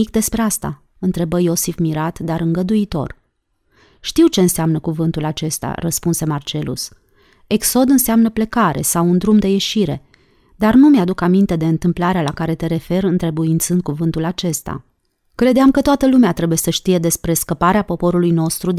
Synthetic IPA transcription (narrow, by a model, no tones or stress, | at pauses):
ik̚d̪e̞spɾeast̪a̰ | ɨnt̪ɾe̞bəjo̞sifmiɾat̪d̪aɾɨŋɡəd̪uit̪o̞̰r | ʃt̪iwt͡ʃe̞ɨnseamnəkuvɨnt̪ulat͡ʃe̞st̪a̰rəspunse̞mart͡ʃe̞lṵs | e̞kso̞d̪ɨnseamnəplekaɾe̞̰sawund̪ɾumd̪e̞je̞ʃiɾe̞̰ | d̪arnumead̪ukamint̪e̞d̪e̞ɨnt̪ɨmplaɾealakaɾe̞t̪e̞ɾe̞fe̞rɨnt̪ɾe̞buint̪sɨnd̪̚kuvɨnt̪ulat͡ʃe̞st̪a̰ | kɾe̞d̪eamkət̪oat̪əlumeat̪ɾe̞buje̞səʃt̪ije̞d̪e̞spɾe̞skəpaɾeapo̞po̞ɾulujno̞st̪ɾud̪